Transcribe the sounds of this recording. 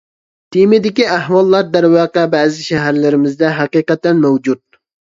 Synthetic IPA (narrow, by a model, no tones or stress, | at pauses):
t̪ʰimɪd̪ɪkʲiæɦwɑlˠːɑɾd̪æɾwɑːqɛbɛːzɪʃɛɦæɾlɪɾɪmɪzd̪ɛɦɑqiːqɛt̪ːɛnmɛwd͡ʒud̪̚